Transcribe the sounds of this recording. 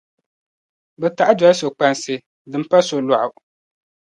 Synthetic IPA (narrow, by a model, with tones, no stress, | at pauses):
bɛ˨ta˨ʔa˦d͡ʒɔ˨˦so˨k͡pa˨nsɨ˨ | dɨ˨m̩˦pa˦so˨la˨ʔʊ˨